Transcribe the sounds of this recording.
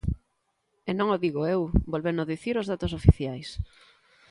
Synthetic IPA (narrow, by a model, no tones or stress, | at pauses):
enõŋoðiɣoewbolβenoðiθiɾozðat̪osofiθjajs